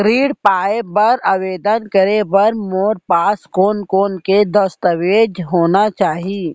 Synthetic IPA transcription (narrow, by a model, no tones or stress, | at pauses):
kɾiːɽpaːebɐɾɐʋeːd̪ənkəɾebɐɾmoːɾpaːskoːnkoːnked̪əst̪əʋeːd͡ʒɦoːnat͡ʃaːɦiː